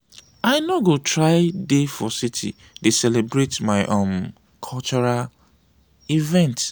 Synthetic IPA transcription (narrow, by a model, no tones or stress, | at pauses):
aɪnoɡotɹaɪdefɔsitʰḭ | desɛlebɹetmaɪʔõm | kʰɔlt͡ʃɔɹal | ivɛ̃nt